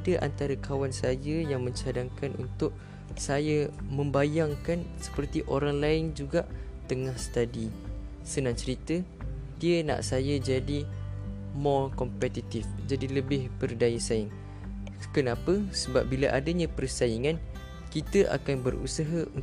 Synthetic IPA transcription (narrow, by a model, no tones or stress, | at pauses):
dəʔa̰nt̪aɾəkʰawansajəjaŋmə̃ɲt͡ʃadaŋkanʔṵnt̪ʊʔ̚ | sajəmə̃mbajaŋkansə̥pərt̪iʔoɾaŋlaɪnd͡ʒuɡaʔ | t̪əŋahst̪adi | sənãŋt͡ʃəɾit̪ə | diəna̰ʔsajəd͡ʒadi | mɔrkɔmpɛt̪it̪ɪfd͡ʒadiləbɪhbərdajəsaɪŋ | kənãpəsəba̰p̚bilaʔadəɲãpərsaiŋãn | kit̪əʔa̰kanbərṵsaɦəun